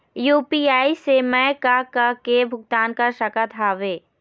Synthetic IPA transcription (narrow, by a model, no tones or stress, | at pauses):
juːpiaːisemɛ̃ːkakakebʱʊɡ̚t̪aːnkaʃɐkat̪ʰaːʋeː